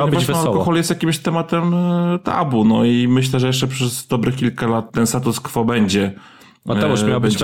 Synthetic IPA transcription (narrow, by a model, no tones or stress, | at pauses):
awɲɛbvaalɔkɔxɔljɛst̪jakʲimɕt̪ɛmat̪ɛmt̪a̰bunɔimɘɕlɛʐɛjɛʂ̬t͡ʂɛpʂɛzd̪ɔbɾɘkʲilkalat̪ːɛnst̪at̪uskfɔbɛɲd͡ʑɛ | ɛmjawbɛɲ